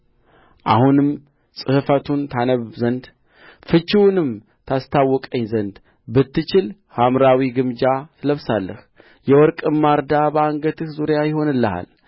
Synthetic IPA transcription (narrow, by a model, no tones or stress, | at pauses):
ʔa̰hunɨm | sʼɨhɨfət̪ʰunt̪ʰanəβzənd̪ | fɨt͡ʃːɪwnɨm | t̪ʰast̪ʰawːɔkʼəɲːzənd̪ | bɨt̪ːɨt͡ʃɪl | hamɾawiɡɨmd͡ʒat̪ʰɨləβsalːəh | jɛwɔɾkʼɨmːaɾd̪abəaŋɡət̪ʰɨhzuɾjajɪho̞nɨlːəha̰l